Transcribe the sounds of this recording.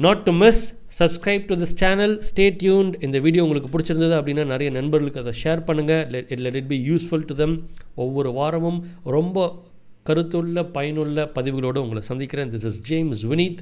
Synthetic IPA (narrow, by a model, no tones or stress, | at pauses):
nɔːʈːumɪsː | ɐbskɾɐɪb̚ʈud̪ɪst͡ʃæːnɐlsʈeːʈjuːnɖɪ̃nd̪ɐʋiːɽɪjoːʊŋɡɐɭɯk̬ːɯpʊɽɪt͡ʃːɪɾɯnd̪ɐðɯɐpːɐɽɪnːaːnɪɾɐjɐnɐnbɐɾɣɐɭɯkːɯɐðɐ̃ʂeːɾpɐɳːɯŋɡɐɪʈlɛʈɪʈ̚biːjuːsfʊlʈuðɛ̃mɔʋːɔɾɯʋaːɾɐʋɯmɾɔmbɐ | kɐɾɯt̪ːɯɭːɐpɐjɐnɯɭːɐpɐðɪʋɯɣɐɭoːɽɯʊŋɡɐɭɐsɐnd̪ɪkːɪɾẽːd̪ɪsɪsd͡ʒeːmsʋɪniːt̪